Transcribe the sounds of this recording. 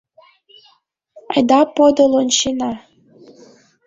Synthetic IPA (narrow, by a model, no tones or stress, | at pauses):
ɑ̰jd̪ɑpod̪olonɕinɑ